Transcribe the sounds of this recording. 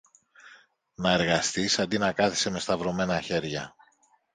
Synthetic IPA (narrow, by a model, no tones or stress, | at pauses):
nɐe̞ɾɣɐst̪isɐnd̪inɐkɐθi̥se̞me̞st̪ɐvɾo̞me̞nɐçe̞ɾʝɐ